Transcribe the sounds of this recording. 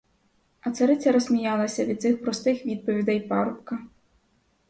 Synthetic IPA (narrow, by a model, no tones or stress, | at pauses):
ɐt̪sɐɾɪt͡sʲːɐɾɔzʲmʲijɑlˠɐsʲɐʋʲid̪̚tsɪxpɾɔst̪ɪxʋʲid̪̚pɔʋʲid̪ɛjpɑɾʊpkɐ